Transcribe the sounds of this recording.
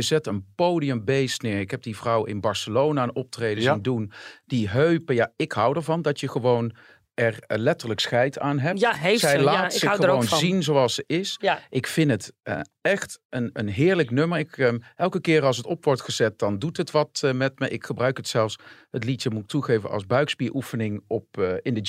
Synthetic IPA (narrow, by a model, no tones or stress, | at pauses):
əzɛtənpowdiəmbejstnɪːɹɪkɦɛb̚divrʌwɪ̰nbɑɹsəlownaənɔp̚trejdəzindund̥iɦøɥpəjaɪkɦʌwdəɹvɑndɑtjəχəʋown | ɛɹlɛtəɹləksχɛjtʰaːnɦɛptɛjlaaːtsɪχəoownzinzowɑlˠsəɪsʔɪkfɪnətə̰ | ɛχtənənɦɪːɹləknøməɹɪkɛlˠkəkɪːɹɑlˠs̬ətɔpʋɔɹtχəzɛt̚d̥ɑndutɦətʋɑtmɛtməʔɪkχəbrœɥkɦətsɛlˠfshətlitəmuk̚tuχejvə̰nɑ̰lˠzbœɥkspiːɹʔufənɪŋɔpɪndə